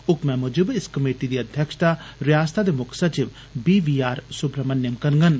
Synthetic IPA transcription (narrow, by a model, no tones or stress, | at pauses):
ʊkmɛ̃mʊd͡ʒʊbɪskɐmeːʈid̪iːɐd̪ʱjəkʃt̪aɾɪjaːst̪ʰad̪emʊkʰsət͡ʃɪʋ | biːʋiːaːɾsʊbɾəmənjəmkɐɾŋɡən